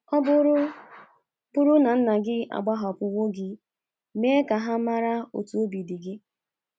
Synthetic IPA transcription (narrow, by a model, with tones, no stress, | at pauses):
ɔ˦b | pʊ˦ɾʊ˦na˨n̩˦na˨ɡɪ˦a̰˨ɡ͡ba˦ɦa˨pʊ˨wo˦ɡɪ˦ | me˦ka˨ɦa˦ma˦ɾa˦o̰˨tu˨o˦bi˨di˨ɡɪ˦